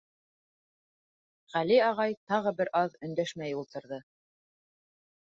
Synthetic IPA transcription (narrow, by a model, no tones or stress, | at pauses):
ʁæliɑʁɑjt̪ɑʁɤbɘɾʔɑðɵ̆nd̪æʃmæjulˠt̪ɤ̆ɾðɤ